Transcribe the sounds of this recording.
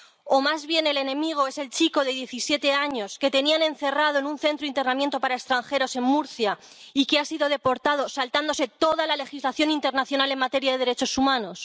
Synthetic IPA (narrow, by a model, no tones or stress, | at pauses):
o̞mazβje̞ne̞le̞nẽ̞miɣ̞o̞e̞se̞lt͡ʃiko̞ðeð̞je̞θisje̞t̪e̞aɲo̞ske̞t̪e̞nianẽ̞nθe̞rað̞o̞enunθe̞nt̪ɾoint̪e̞rnamjent̪o̞paɾaekst̪ɾaŋxe̞ɾo̞se̞ŋmuɾθja | ike̞asiðo̞ð̞e̞po̞ɾt̪að̞o̞salt̪and̪o̞se̞t̪o̞ðalale̞xizlaθjo̞nint̪e̞ɾnaθjonale̞ŋmat̪e̞ɾjaðe̞ð̞eɾet͡ʃo̞sumãno̞s